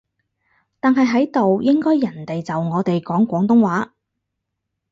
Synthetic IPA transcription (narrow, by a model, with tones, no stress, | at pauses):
t̪aː˨nɦɐ˨˧jɦɐ˨˥jt̪o˨wjɪ˥ŋkɔː˥jːɐ˨˩nt̪e˨jt͡sɐ˨wŋɔː˨˧t̪e˨jkɔː˨˥ŋkʷɔː˨˥ŋt̪ʊ˥ŋwaː˨˥